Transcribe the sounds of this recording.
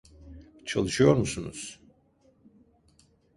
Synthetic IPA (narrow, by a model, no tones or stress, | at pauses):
t͡ʃʰa̰lˠɯʃɯjo̞ɾmusunṵz̥